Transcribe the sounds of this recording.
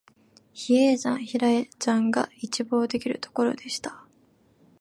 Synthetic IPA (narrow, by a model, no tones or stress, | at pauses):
çieːʑãɰ̃çiɾaet͡ɕãŋɡa̰it͡ɕibo̞ːd̪e̞kʲiɾɯ̟t̪o̞̥ko̞ɾo̞̰d̪e̞ɕi̥t̪ḁ